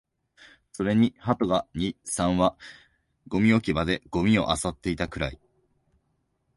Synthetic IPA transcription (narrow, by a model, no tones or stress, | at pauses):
so̞ɾe̞ɲ̟ihat̪o̞ɡaɲ̟isãɰ̃βa | ɡ̥o̞mʲio̞kʲibad̪e̞ɡ̥o̞mʲio̞̰ʔasat̪ːe̞it̪akɯ̟ɾai